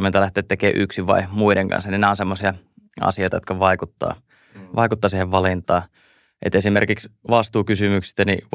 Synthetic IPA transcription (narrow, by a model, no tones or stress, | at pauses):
ment̪ɑlæht̪ˑeːt̪ekeːʔyksiʋʋɑ̰imuideŋkɑ̰nsɑninæonsemːosiɑ | ɑ̰sioit̪ɑjot̪kɑʋɑikut̪ːɑ̰ː | ʋɑikut̪ːɑːsiːheʋʋɑlint̪ˑɑː | ʔḛt̪esimerkiksʋɑst̪uːkysymyksi̥st̪ænḭ